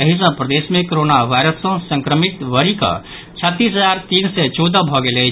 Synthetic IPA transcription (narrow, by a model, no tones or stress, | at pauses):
əɦis̬ə̃pɾəd̪esmẽkoɾonaʋaɪɾəsːə̃sə̃ŋkɾəmit̪ʋəɾikə̰ | t͡ʃʰət̪ːisɦəd͡ʒaɾt̪iːnsɛt͡ʃɔd̪əbʱɔɡele